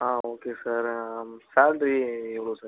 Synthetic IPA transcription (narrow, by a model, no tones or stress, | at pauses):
ɦãːoːkesəɾsaːɖɾieʋɽosə